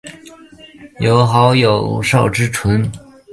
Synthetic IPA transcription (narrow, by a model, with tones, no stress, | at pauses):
jo˨˩ʊxɑ˧˥ʊjo˨˩ʊʂɑ˥˩ʊʈ͡ʂɻ̩˥ʈ͡ʂʰwə˧˥n